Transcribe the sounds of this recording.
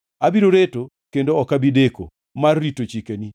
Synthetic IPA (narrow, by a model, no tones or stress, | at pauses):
abiɾoɾeto | kendoɔkabideko̰ | marːitot͡ʃikeni